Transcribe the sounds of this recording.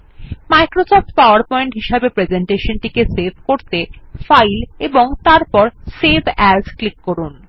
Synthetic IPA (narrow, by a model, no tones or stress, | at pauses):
majkɾosɔp̚ʈpaʊaɾpɔeɳʈɦiʃabepɾed͡ʑeɳʈeʃonʈikesebʱkoɾt̪efajleboŋt̪aɾpɔɾsebʱɛd͡ʑklikːɔɾun